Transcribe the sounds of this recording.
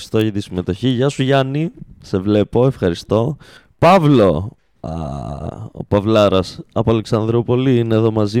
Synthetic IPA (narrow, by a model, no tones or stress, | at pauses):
st̪o̞ʝɐt̪isime̞t̪o̞çiʝɐsuʝɐnise̞vle̞po̞e̞fxɐɾist̪o̞ | pɐvlo̞ | o̰pɐvlɐɾɐsɐpoɐleksɐnðɾopo̞liineðo̞mɐzi